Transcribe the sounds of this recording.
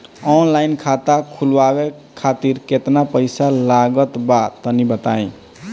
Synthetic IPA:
ɔnlajnkʰat̪akʰulʋabe | kʰat̪iɾket̪napəɪjsalaɡət̪bat̪ənibət̪aẽ

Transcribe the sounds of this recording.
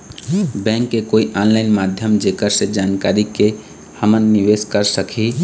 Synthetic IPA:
bɛ̃ŋkːekoiʔɔnlaɪnmad̪ʱjəmd͡ʒekəɾsed͡ʒankaɾike | həmənːiʋeskəɾsəkʰi

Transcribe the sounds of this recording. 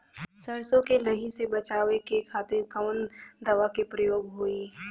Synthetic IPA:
sɐɾsõkelɐɦisebɐt͡ʃaːʋekekʰaːt̪ɪɾkɐmənd̪ɐʋakepɾɐjoːɡɦoːiː

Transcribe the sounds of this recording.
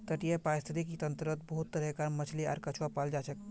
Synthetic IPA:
t̪əʈijepaɾist̪ʰit̪ikit̪ənt̪ɾət̪̚bəɦut̪ːəɾɛkaɾmət͡ʃʰlia̰ɾkət͡ʃʰwapald͡ʒat͡ʃʰək

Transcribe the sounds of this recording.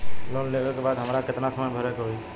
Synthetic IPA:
loːnleːkəlkebaːd̪ɦəmɾakɪt̪nasəməjbʱəɾkɦoi

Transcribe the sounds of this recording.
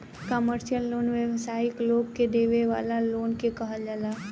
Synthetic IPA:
kəməɾʃijəlːoːnʋəʋsaːɪkloːɡked̪eːʋeʋa̰ːlaloːnkekəɦəld͡ʒalaː

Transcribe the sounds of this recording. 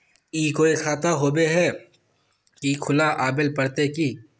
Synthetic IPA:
iːkoːikʰaːt̪aɦoːbeɦɛ | kikʰʊlaʔaːbɪlpɐɾt̪ekiː

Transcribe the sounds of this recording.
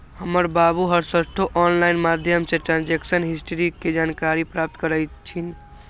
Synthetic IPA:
həməɾbabuɦəɾsəsʈʰoʔɔnlainmad̪ʱjəmsẽʈɾãnd͡ʒeksənɦisʈʰəɾiked͡ʒaːnkaɾipɾaːp̚t̪kəɾəjt͡ʃʰin

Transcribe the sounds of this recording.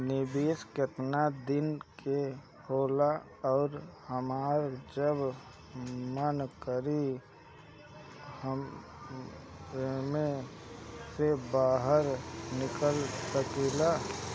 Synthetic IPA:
nɪbeːskət̪nad̪ɪnkʰe | hoːla | ɔːɾhəmaːɾd͡ʒəb | mənkəɾi | həm | mẽ | sebaːɦəɾnɪkəlsəkela

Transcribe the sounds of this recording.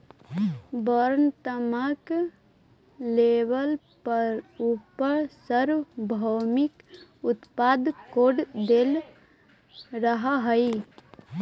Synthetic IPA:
bɔɾənt̪əmək | leʋəl | pəɾupəɾsəɾʋbʱəwmik | ut̪pad̪koɖd̪el | ɾəɦaɦəi

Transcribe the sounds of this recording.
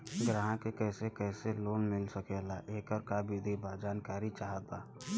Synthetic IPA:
ɡɾaɦãkekɛːsekɛːseloːnmɪlsəkelaʔeːkəɾkabid̪ʱibad͡ʒaːnkaːɾit͡ʃaːɦət̪aː

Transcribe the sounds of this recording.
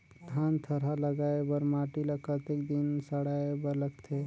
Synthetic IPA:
d̪ʱant̪ʰəɾaləɡaebəɾmaʈiləkʰət̪ekd̪insəɽaebəɾləɡt̪ʰe

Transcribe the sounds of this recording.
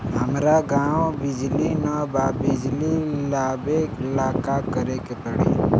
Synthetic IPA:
ɦəmɾaɡãːõbɪd͡ʒlinabaːbɪd͡ʒlilaːbeːkɪlaːkakəɾekepəɽḛː

